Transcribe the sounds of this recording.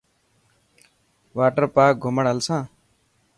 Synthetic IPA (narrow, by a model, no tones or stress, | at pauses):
ʋaːʈəɾpaːk̚ɡʱʊməɽɦəlsãː